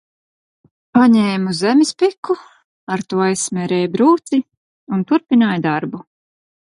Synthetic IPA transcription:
paɲɛːmuzɛmispikʰːu | aɾt̪uɔajsmʲɛɾɛːjbɾuːt̪si | unt̪uɾpinaːjd̪aɾbu

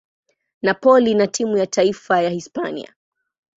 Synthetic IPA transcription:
napɔlinatʰimujatʰaifajahispa̰nḭa̰

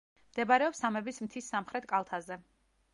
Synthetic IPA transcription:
md̪̥ɛbaɾɛɔpsamɛbismt̪ʰisːamχɾɛt̪̚ʰkʼalˠt̪ʰazɛ

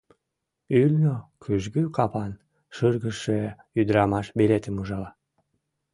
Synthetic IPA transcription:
ylnokʰyʒɣykɑpɑn | ʃərɣəʃe | yd̪ɾɑmɑʃbelet̪əmuʒɑlɑ

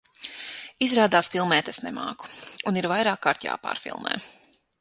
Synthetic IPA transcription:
izɾaːd̪aːsfilˠmɛːt̪ɛsnɛma̰ːku̥uniɾvajɾaːkːaːɾt̪ja̰ːpa̰ːɾfḭlˠmɛ̰ː

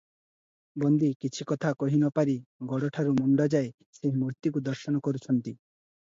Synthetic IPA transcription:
bɔnd̪ikit͡ʃʰikɔt̪ʰakɔɦinɔpaɾiɡɔɽɔʈʰaɾumɔɳɖɔd͡ʒae | seɦmuɾt̪ikud̪ɔɾʃɔnɔkɔɾut͡ʃʰɔnt̪i

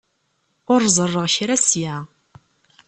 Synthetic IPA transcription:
ʊɾzˤərˤːəʁçɾæsjæ

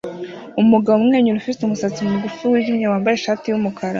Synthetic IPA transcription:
umuɡaβumŋe̞ːɲuɾufiseumusat͡simuɡufuwiɟimɲawaːmbajeʃaːtiwumukʰaɾa̰

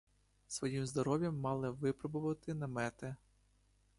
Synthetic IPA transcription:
sʋɔjimzd̪ɔɾɔʋʲjɐmːɑlˠɪʋɪpɾɔbʊʋɐt̪ɪnɐmɛt̪ɛ

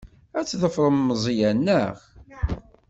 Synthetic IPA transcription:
æt͡sːðəfɾˤəmːəzˤijænːəʁ

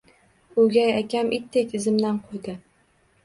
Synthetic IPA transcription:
ʊɡʲajakʲʰamʔit̪ʰːekʲɪzɪmd̪anqʰojd̪ɪ

